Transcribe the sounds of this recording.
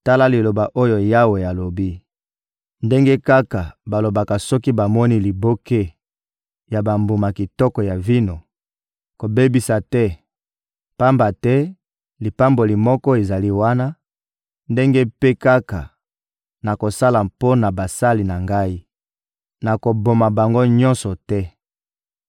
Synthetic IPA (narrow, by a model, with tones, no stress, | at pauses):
ta˦la˦li˨lo˨ba˨ʔo˦jo˨ja˦we˨ja˨lo˨bi˦ | nde˦ŋɡe˦ka˦ka˨ba˨lo˨ba˨ka˨sɔ˦ki˦ba˨mɔ˦ni˦li˨bo˦ke˦ | ja˨ba˨mbu˨ma˨ki˨tɔ˦kɔ˨ja˨vi˦no˨ | ko˨be˦bi˨sa˨tɛ˦ | pa˦mba˨tɛ˦ | li˨pa˦mbo˨li˨mɔ˦kɔ˦e˨za˨li˦wa˦na˦ | nde˦ŋɡe˦pe˦ka˦ka˨ | na˨ko˨sa˦la˨po˦na˨ba˨sa˦li˨na˨ŋɡa˦i˦ | na˨ko˨bo˨ma˨ba˨ŋɡo˦ɲɔ̃˦nsɔ˨tɛ˦